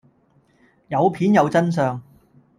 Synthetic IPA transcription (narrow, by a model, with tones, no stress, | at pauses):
jɐ˨˧wpʰiː˨˥njɐ˨˧wt͡sɐ˥ns̬œː˨˧ŋ